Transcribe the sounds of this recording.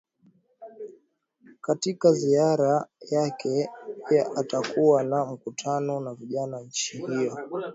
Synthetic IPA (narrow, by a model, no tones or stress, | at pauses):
katikaziaɾajakɛpijaʔatakuwanam̩kutʰanɔnaviʄanaɲ̩t͡ʃihijɔ